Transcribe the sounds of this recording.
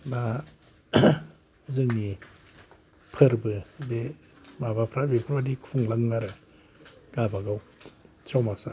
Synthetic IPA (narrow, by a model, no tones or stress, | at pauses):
na | zɯŋni | pʰɯɾbɯde | mabapʰɾabepʰɯɾbadikʰuŋlaŋnaɾɯ | ɡ̥abaɡaw | t͡ʃʰawmasa